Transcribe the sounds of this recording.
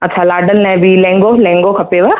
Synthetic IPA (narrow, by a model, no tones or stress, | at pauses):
ɐtːʃʰalaːɖəlnɛ̃bʱilɛ̃ːŋɡolɛ̃ːŋɡokʰɐpeʋɐɾ